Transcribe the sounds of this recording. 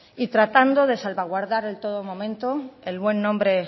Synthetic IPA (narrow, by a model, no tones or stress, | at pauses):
it̪ɾat̪and̪o̞ðe̞salβaɣ̞waɾðaɾelt̪o̞ð̞omõ̞mẽnt̪oelβwe̞nːõmbɾe̞